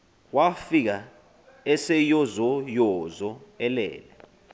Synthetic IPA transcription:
wafik̬a | ɛsɛjɔzɔjɔzɔɛlɛ̰ːlɛ

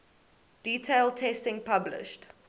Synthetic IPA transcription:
d̥iːtʰeɪlˠtʰɛstɪ̃ŋpʰablɪ̰ʃt

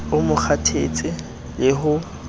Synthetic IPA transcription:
ʊmʊk͡xʰatʰet͡sʼɪ | lɪɦʊ

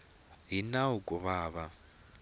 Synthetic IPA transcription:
ɦinawukʼɔβaːβa

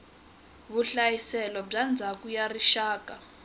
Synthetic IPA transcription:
βuɬajisɛlɔb͡ʐand͡zʱakujariʃaːkʼa

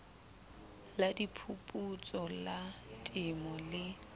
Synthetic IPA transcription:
ladipʰupʼut͡sʼɔlatʼɪmɔlɪ

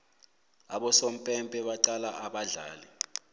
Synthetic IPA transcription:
aɓɔsom̩pʼɛmpʼɛɓaǃalaʔaɓaɮa̰ːlɛ

